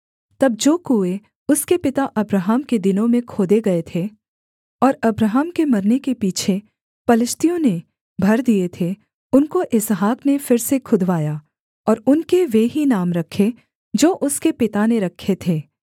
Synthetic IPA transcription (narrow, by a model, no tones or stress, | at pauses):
t̪ɐb̚d͡ʒoːkue | ʊskepɪt̪aʔɐbɾəɦəmked̪ɪnõmẽkʰoːd̪eɡɐet̪ʰe | ɔːɾɐbɾəɦəmkemɐɾnekepiːt͡ʃʰe | pɐlɪʃt̪ijõne | bʱɐɾd̪iet̪ʰe | ʊnkoʔɪzɦaːknefɪɾsekʰʊd̪ʱʋaːjaː | ɔːɾʊnkeʋeɦinaːmɾɐkʰːe | d͡ʒoːʔʊskepɪt̪aneɾɐkʰːet̪ʰeː